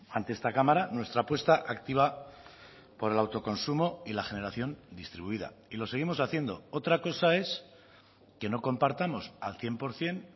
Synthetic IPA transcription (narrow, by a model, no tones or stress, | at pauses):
ant̪e̞est̪akamaɾanwe̞st̪ɾapwe̞st̪aʔakt̪iβ̞a | po̞ɾe̞lawt̪o̞ko̞nsumo̞ilaxe̞ne̞ɾaθjo̞nd̪ist̪ɾiβuiða̰ilo̞se̞ɣ̞imo̞saθje̞nd̪o̞o̞t̪ɾako̞sae̞s | ke̞no̞ko̞mpaɾt̪amo̞salθje̞mpo̞ɾθje̞n